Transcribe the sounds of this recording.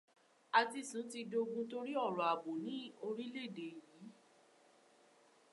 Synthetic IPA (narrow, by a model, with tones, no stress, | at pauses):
a˧ti˧sũ˨˦ti˧do˧ɡũ˧˦to˦ɾi˦ɔ˦˨ɾɔ˨a˨bo˨nĩ˨˦o˧ɾi˦le˦˨de˨jiː˨˦